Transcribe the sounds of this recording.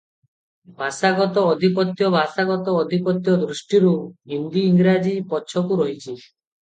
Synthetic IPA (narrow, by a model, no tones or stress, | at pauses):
bʱasaɡɔt̪ɔːd̪ʱipɔt̪jɔbʱasaɡɔt̪ɔːd̪ʱipɔt̪jɔd̪ɾuʃʈiɾuɦind̪iːŋɡɾad͡ʒipɔːt͡ʃʰɔkuɾɔɦit͡ʃʰi